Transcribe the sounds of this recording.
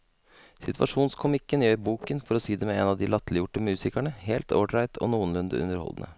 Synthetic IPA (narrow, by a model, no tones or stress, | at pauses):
sɪt̪ʋɑ̰ʂuːnskʰʊmɪkːənjøːɾbuːkənfɔɾɔsiːd̪ɛmɛeːnɑʋd̪ɪlɑt̪lɪjʊʈːəmʉːsɪkæɳəheːlt̪ʰoːʈɾæɪt̪ʰɔ̰nuːənlʉnd̪ə̰ʉ̰nəɾhɔ̰ld̪nə̰